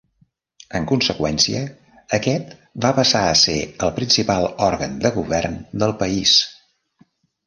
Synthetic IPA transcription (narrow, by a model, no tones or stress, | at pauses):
əŋkunsəkwɛnsiə | əkɛt̪bapəsaəsḛəlˠpɾinsipalˠɔɾɣənd̪əɣuβɛrnd̪əlˠpəis